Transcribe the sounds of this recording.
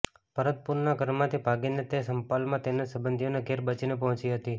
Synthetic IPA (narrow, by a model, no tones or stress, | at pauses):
pəɾət̪̚puɾnaɡəɾmãt̪ʰibʱaɡinet̪esəmpalmãt̪enesəbənd̪ʱijoneɡʱeɾbət͡ʃinepəɦɔ̃t͡ʃiɦət̪i